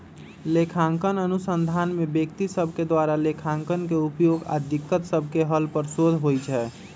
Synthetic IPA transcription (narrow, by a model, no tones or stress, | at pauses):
lekʰaŋkənənusənd̪ʱanmebjək̚t̪isəbʱked̪waɾalekʰãŋkənkeupjoɡa̰d̪ikːət̪səbʱkeɦəlpəɾsod̪ʱɦojt͡ʃʰɛː